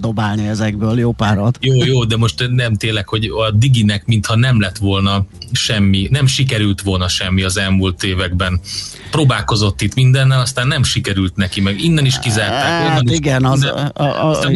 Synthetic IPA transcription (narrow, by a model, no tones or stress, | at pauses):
d̪obaːlniɛzɛɡbøːljoːpaːɾot̪joːjoːd̪ɛmo̞ʃt̪nɛmt̪eːlːɛkho̞ɟɒd̪iɡinɛkmint̪hɒnɛmlɛt̪ʋo̞lnɒʃɛmːinɛmʃikɛɾylt̪ʋo̞lnɒʃɛmːiɒzɛlmult̪eːvɛɡbɛn | proːbaːlko̞zo̞t̪ːit̪mind̪ɛnːɛlɒst̪aːnːɛmʃikɛɾylt̪nɛkimɛɡinːɛniʃkizaːrt̪aːkolɛniɡɛn